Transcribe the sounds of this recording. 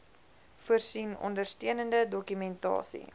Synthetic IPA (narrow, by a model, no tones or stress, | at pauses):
fuərsinɔ̰ndərstiənəndədɔkymɛntɑ̰ːsḭ